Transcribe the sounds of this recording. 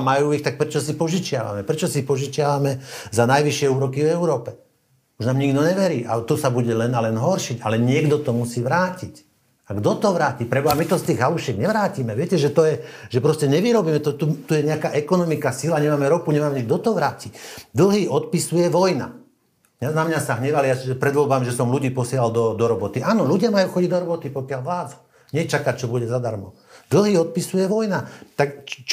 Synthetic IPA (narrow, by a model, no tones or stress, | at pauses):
majuːixt̪ak̚pɾɛt͡ʃɔsipɔʒit͡ʃɪa̰ʋa̰mɛpɾɛt͡ʃɔsipɔʒit͡ʃɪaʋamɛzanajʋiʃɪɛuːɾɔkivɛʊɾɔːpɛ | uʒnaːmɲiɡd̪ɔɲɛʋɛɾiːʔa̰t̪ɔsabuɟɛlɛnalɛnɦɔɾʃiɟalɛɲɪɛɡd̪ɔt̪ɔmusiːʋɾaːcic | aɡd̪ɔt̪ɔʋɾaːcipɾɛbɔamit̪ɔst̪iːɣɦaluʃɪɛɡɲɛʋɾaːcimɛʋɪɛcɛʒɛt̪ɔjɛʒɛpɾɔscɛɲɛʋiɾɔbiːmɛt̪ɔt̪ut̪ujɛɲɛakaːʔɛkɔnɔmikasilaɲɛmaːmɛɾɔkuɲɛmaːmɛɲiɡ̚d̪ɔt̪ɔʋɾaːcid̪l̩ˠɦiːʔɔt̪̚pisujɛʋɔjna̰ | ɲɛnamɲasaɦɲɛʋalijaʒɛpɾɛd̪ʋɔlbamʒɛsɔmluɟiːpɔsɪɛlald̪ɔd̪ɔɾɔbɔt̪iʔaːnɔluɟɪamajuːxɔɟiɟd̪ɔɾɔbɔt̪ipɔkɪalʋlaːd͡zḁ | ɲɛt͡ʃakac̚t͡ʃɔbuɟɛzad̪aɾmɔ̰ | d̪l̩ˠɦiːɔt̪̚pisujɛʋɔjnat̪akt͡ʃ